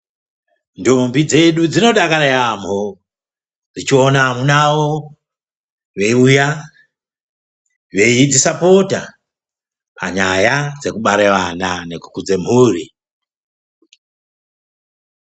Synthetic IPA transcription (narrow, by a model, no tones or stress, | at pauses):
ndombid͡ze̞ɗud͡zino̞ɗakaɾejamo | d͡zit͡ʃio̞namunawo | ʋe̞uja | ʋe̞id͡zisapota | pa̰ɲajad͡ze̞kuɓaɾeʋananeku̥kud͡ze̞m̤huːri